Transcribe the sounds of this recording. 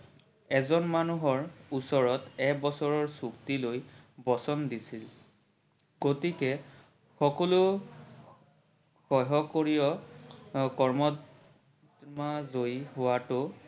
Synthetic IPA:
ɛzɔnmanuɦɔɹusɔɹɔtɛkbɔsɔɹɔɹsuktilojbɔsɔndisil | ɡotikɛ | xɔkɔlʊ | xɔɦɔkoɹijɔ | kɔɹmɔ | dmazojɦʊwatʊ

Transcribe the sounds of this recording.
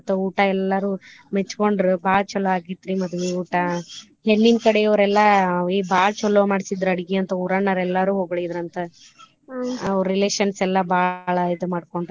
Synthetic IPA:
t̪ːɐuːʈɐɛlːɐɾuːmet͡ʃːkoɳɖɾubaːɭt͡ʃɔlːoaːɡit̪ːɾimɐd̪uʋeuːʈɐ | ɦenːinkɐɽeɐʋɾɛlːɐibʱaːɭt͡ʃɔlːomaːɽisid̪ɾɐɽiɡeɐnt̪ɐuːɾanɐɾɛlːɐɾuːɦoːɡɭed̪ɾɐnt̪ɐ | ɐʋɾɾileːʃɐnsɛlːɐbʱaːɭɐid̪umaːɖkoɳɖɾ

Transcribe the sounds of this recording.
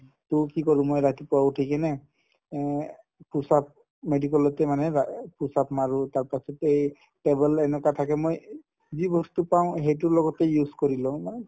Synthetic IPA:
tʊkikɔɹʊ̃mojɹatipɔwautʰikɛnɛ | pʰusap̚ | medikɔlɔtɛmanɛpʰusapmaɹutaɹpasɔtej | ʈebɛlɛnɛkatʰakɛmoj | zibɔstupaʊ̃hejt̬ʊlɔɡɔtɛjuzkɔɹilɔ̃

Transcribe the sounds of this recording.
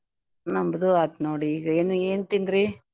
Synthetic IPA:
nɐmbɐðuad̪noːɽiiːɡɐeːnueːnt̪ind̪ɾi

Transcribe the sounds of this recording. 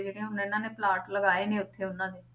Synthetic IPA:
d͡ʒeːɽẽɦʊnːɪnãːneːplaːʈləɡaːeːneːʊt̪ʰːeːʊnːãːd̪eː

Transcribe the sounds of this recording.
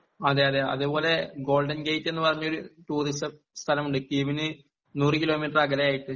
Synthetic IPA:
ɐðeːjɐðeɐ̰ðupo̞ːle̞ɡo̞ːlɖɐnɡejtːe̞nːɨpɐrɐɲːɐo̞ɾuʈuːrisɐ | st̪ʰɐlɐmuɖɨkːiiʋinɨ | nuːrɨkilo̞ːmiːʈraɡɐlɐjaːjiʈːɨ

